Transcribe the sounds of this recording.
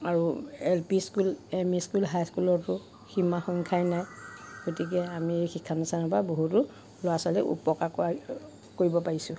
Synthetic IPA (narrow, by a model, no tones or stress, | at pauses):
aɹuɛlpiskulemiskulɦajskulɔtʊ | ximaxɔŋkʰajnajɡ̥otik̬ɛamiexikʰːanasanɔpaboɦutʊ | lɔasɔlɛʔṵpɔkak | koɹibɔpaɹisʊ̃